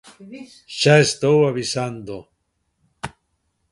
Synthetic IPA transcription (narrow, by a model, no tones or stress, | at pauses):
ʃaest̪owaβisand̪o